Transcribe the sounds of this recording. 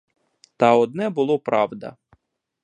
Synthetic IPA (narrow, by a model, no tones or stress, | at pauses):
t̪ɑɔd̪nɛbʊlˠɔpɾɑwd̪ɐ̰